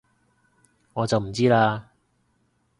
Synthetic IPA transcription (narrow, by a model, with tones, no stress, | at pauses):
ŋɔː˨˧t͡sɐ˨wm̩˨˩t͡siː˥laː˧